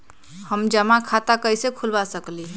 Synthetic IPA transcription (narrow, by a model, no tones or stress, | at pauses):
həmd͡ʒəmakʰat̪akəjsekʰulbasəkli